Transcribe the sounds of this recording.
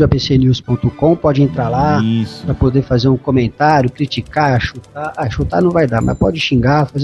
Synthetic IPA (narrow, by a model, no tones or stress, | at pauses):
ɐpesenuspõt̪ʊkõpɔd͡ʒɪẽnt̪ɾaɾlapɾɐpod̪eɾfazeɾũkõmẽnt̪aɾjʊkɾit͡ʃikaʃut̪aaʃut̪aɾnɐ̃w̃vajd̪aɾmɐ̰spɔ̰d͡ʒɪʃĩɡafaze